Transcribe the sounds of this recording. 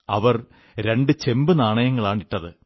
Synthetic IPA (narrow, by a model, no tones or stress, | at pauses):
ɐʋɐr | ɾe̞ɳɖɨt͡ɕembɨnaːɳɐjɐŋːɐɭaːɳiʈːɐðɨ